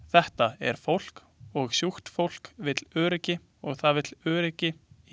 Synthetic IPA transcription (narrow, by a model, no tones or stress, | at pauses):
θɛht̪aɛ̰ɾ̥fowl̥k | ɔɣsjuxt̪fowl̥kvɪt̪lœːɾɪcɪ | ɔɣθaðvɪt̪lœːɾɪcɪ